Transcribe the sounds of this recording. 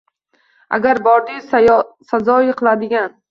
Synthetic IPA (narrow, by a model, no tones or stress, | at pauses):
a̰ɡʲaɾbɒɾd̪ɪsazɒɪqʰɨlˠad̪ɪɡʲan